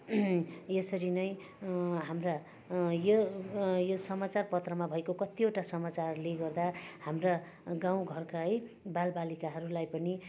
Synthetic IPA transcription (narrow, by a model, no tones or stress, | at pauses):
jesʌɾinʌj | ɦamra | jojosʌmat͡sarpʌt̪rʌmabʱʌekokʌt̪ioʈasʌmat͡sarleɡʌrd̪ahamra | ɡãw̃ɡʱʌrkaj | balbalikaɦʌɾulajpʌni